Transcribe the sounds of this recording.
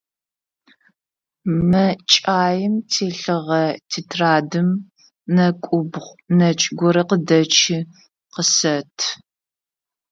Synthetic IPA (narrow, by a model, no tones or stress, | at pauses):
mɐt͡ʃʼaːjɪmtʰeːɬɨʁɐtʰitʰraːdɨm | nɐkʷʼʊbʁʷnɐt͡ʃʼɡʷɔɾɐqədɐt͡ʃʰi | qəsɐtʰ